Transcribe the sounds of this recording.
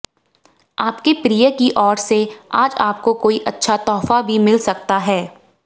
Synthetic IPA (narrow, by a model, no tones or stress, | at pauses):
aːpkepɾijəkiʔɔːɾseaːd͡ʒaːp̚kokoːiʔɐtːʃʰat̪ɔːfabʱimɪlsɐk̚t̪aɦɛː